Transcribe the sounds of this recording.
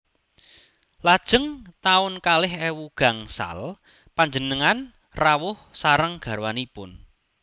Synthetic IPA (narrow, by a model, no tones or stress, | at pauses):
lad̥ʒ̥ə̤ŋt̪aʊnkalɪhɛwuɡ̥a̤ŋsa̰l | paɲd͡ʒənəŋan | rawʊhsaɾəŋɡ̥a̤ɾwanipʊn